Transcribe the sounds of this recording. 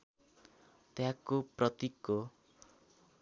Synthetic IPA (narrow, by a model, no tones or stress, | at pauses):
t̪ejãkːoprʌt̪ikːo